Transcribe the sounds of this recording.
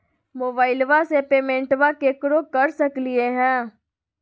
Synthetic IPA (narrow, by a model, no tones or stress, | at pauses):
moːbaːɪlʋasepeːmẽːɳʈʋakekɾokɐɾsɐklieɦɛ̃ː